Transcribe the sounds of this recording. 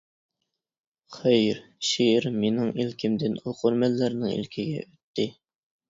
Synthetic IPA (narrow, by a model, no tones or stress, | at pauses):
χɛjɾʃiɪɾmenɪŋilkʲʰimd̪ɪnɑlˠqʰoɾmælːæɾnɪŋḭlkʲʰiɡʲɛ̰øt̪ːɪ